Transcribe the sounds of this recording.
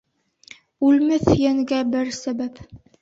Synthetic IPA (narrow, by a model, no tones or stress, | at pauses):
ʉlmɘθjæŋɡæbɘɾsæbæp